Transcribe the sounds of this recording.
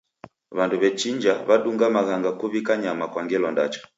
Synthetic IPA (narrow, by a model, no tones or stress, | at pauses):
βanduβɛt͡ʃiɲd͡ʒaβaɗuŋɡamaɣaŋɡakuβikaɲamakwaŋɡɛlɔnda̰t͡ʃɔ̥